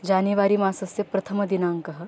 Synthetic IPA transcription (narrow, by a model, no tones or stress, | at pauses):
d͡ʑaneʋaɾiːmasɐsjɐpɾɐt̪ʰəməd̪inaŋkɐɦə